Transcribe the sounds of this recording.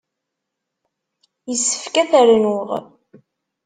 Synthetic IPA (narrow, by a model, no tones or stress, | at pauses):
jəsːə̥fkæθəɾnʊʁ